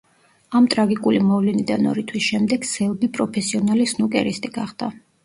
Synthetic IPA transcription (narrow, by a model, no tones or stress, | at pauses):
amt̪ʼɾaɡikʼulimɔvlɛnid̪anɔ̰ɾit̪ʰwisʃɛmd̪ɛɡ̥sɛlˠbipʼɾɔpʰɛsiɔnalisnukʼɛ̰ɾist̪ʼiɡ̥aχd̪̥a